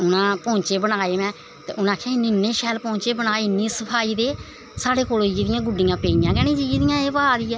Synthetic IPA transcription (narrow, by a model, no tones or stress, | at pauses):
ʊnãːpɔ̃ːɲt͡ʃeːbəɽ̃aːeːmɛ̃ː | t̪ḛːʊnãːkʰẽːɪnɪnːeːʃɛːlpɔ̃ːɲt͡ʃeːbənaːenĩːsəpʰaːiːd̪eː | saːɽeːkoːloid͡ʒd̪ɪjãːɡʊɖɪjãːpeːijãːkɛːnĩːd͡ʒiːd͡ʒd̪ɪjãːeːpəaːd̪iːɛː